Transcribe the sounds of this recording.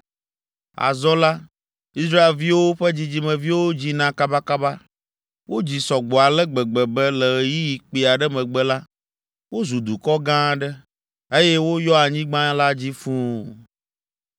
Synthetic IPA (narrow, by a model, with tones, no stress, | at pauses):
a̰˨zɔ˦la˦ | i˦sɾa˦e˨lvi˦wo˦ɸɛ˦d͡ʑi˦d͡ʑi˦mɛ̃˨vi˦wo˦d͡ʑi˦nã˨ka˦ba˦ka˦ba˦ | wo˦d͡ʑi˨sɔ˨ɡ͡bɔ˨a˨lɛ˦ɡ͡bɛ˨ɡ͡bɛ˨bɛ˦lɛ˨ji˦ji˨k͡pi˨a˨ɖɛ˦mɛ̃˨ɡ͡bɛ˦la˦ | wo˦zu˨d̪u˨kɔ˦ɡã˦ɖɛ˦ | e˦jɛ˦wo˦jɔ˦a˨ɲĩ˦ɡ͡bã˦la˦d͡ʑi˦fũ˦